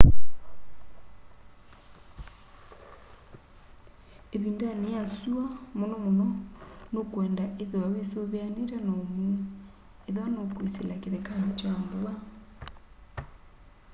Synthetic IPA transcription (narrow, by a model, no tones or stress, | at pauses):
eβindanejasuamonɔmonɔnokwɛndaʔeðoawesoβeaneɾanomu | eðoanokweselakeðekahat͡ʃamboa